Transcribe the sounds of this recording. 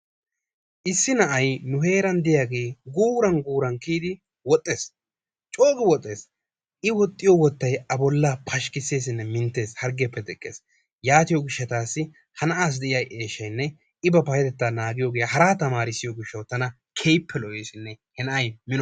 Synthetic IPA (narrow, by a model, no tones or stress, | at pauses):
ʔɪsːɪnɐʔɐjnʊhe̞ːɾɐnd̪ɪjaːɡe̞ːɡuːɾɐnɡuːɾɐnkiːd̪ɪ | wɔt̪ʼːe̞ːs | t͡ʃʼo̞ːɡɪwɔt̪ʼːe̞ːs | ʔɪwɔt̪ʼːɪjɔwɔt̪ːɐjɐbɔlːapʰɐʃkɪsːe̞ːs̬ɪnːɛmɪnt̪ːe̞ːshɐɾɡɛpːɛd̪ɛkʼːe̞̰ːs | jaːt̪ɪjɔɡɪʃːɐt̪aːsːɪ | hɐnɐaːs̬d̪ɛʔɪjɐjʔeːʃːɐjnːɛ | ɪbɐpɐjɛt̪ɛt̪ːaːnaːɡɪjoːɡejɐhɐɾaːt̪ɐmaːɾɪsɪjɔɡɪʃːɐwt̪ɐnɐ | kʰejpʰːɛlɔʔe̞ːsɪnːɛhɛnɐɐjmɪnɔ